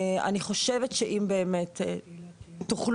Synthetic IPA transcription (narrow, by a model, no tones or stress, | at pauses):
a̰niχo̞ʃevetʃeʔimbeːmet | tuχl